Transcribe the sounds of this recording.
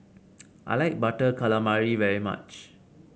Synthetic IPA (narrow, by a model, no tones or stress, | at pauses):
ʔajlaɪk̚baʈəkʰaləmaɹiʋɛɹima̰t͡ʃ